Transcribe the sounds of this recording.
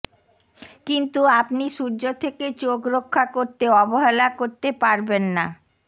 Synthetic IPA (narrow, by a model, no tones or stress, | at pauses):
kint̪uapniʃuɾd͡ʑot̪ʰeket͡ɕokɾokʰːakoɾt̪eɔboɦelakoɾt̪epaɾbenːa